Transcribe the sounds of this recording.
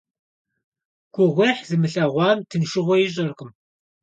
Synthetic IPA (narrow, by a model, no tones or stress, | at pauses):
ɡ̥ʷʊʁʷeːħzɨmɨɬɐʁʷɑːmtʰɨnʃɪʁʷɔjɪʑʼɐrqʼɨm